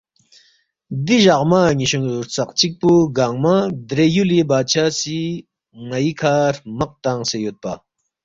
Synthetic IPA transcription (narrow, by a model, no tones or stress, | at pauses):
d̪iʑɐqmaːŋiɕuŋuɾt͡sɐqt͡ɕik̚puɡaːŋmad̪ɾejulebaːt͡ɕʰaːsi | ŋɐikʰaːɾmɐq̚t̪aŋsejot̪̚pa